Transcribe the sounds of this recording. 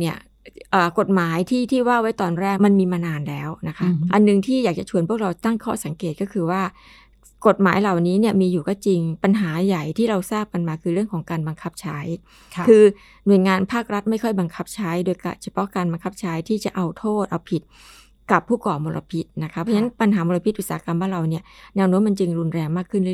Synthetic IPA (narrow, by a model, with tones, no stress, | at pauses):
ni˥˩ɐ | ʔəː˨˩ko˨˩t̪̚maː˩˦jt̪ʰiː˥˩t̪ʰiː˥˩waː˥˩wa˦˥jt̪ɔː˧nɾɛː˥˩k̚ma˧nmiː˧maː˧naː˧nlɛː˦˥wna˦˥kʰa˦˥ʔa˧nːɯ˨˩ŋt̪ʰiː˥˩jaː˨˩k̚t͡ɕa˨˩t͡ɕʰu˧ənpʰu˥˩ək̚ɾa˧wt̪a˥˩ŋkʰɔː˥˩sa˨˩˦ŋkeː˨˩t̪̚kɔː˥˩kʰɯː˧waː˥˩ | ko˨˩t̪̚maː˩˦jla˨˩wniː˦˥ni˥˩ɐmiː˧juː˨˩kɔː˥˩t͡ɕi˧ŋpa˧nɦaː˩˦ja˨˩jt̪ʰiː˥˩ɾa˧wsaː˥˩p̚ka˧nmaː˧kʰɯː˧ɾɯ˥˩əŋkʰɔː˩˦ŋkaː˧nba˧ŋkʰa˦˥p̚t͡ɕʰa˦˥j | kʰɯː˧ | nu˨˩əjŋaː˧npʰaː˥˩k̚ɾa˦˥t̪̚ma˥˩jkʰɔ˥˩jba˧ŋkʰa˦˥p̚t͡ɕʰa˦˥jdoː˧jka̰˧˩t͡ɕʰa˧pʰɔ˦˥ʔkaː˧nba˧ŋkʰa˦˥p̚t͡ɕʰa˦˥jt̪ʰiː˥˩t͡ɕa˨˩ʔa˧wt̪ʰoː˥˩t̪̚ʔa˧wpʰi˨˩t̪̚ | ka˨˩pʰːuː˥˩kɔː˨˩moː˧lʔa̰˧pʰi˦˥t̪̚na˦˥kʰa˦˥pʰɔ˧˥t͡ɕʰna˦˥npa˧nɦaː˩˦moː˧la˧pʰi˦˥t̪ʔu˨˩t̪saː˨˦˥ka˧mwaː˥˩ɾa˧wni˥˩ɐnɛː˧wnu˦˥əma˧nt͡ɕɯ˧ŋɾu˧nɾɛː˧ŋmaː˥˩kʰːɯ˥˩nd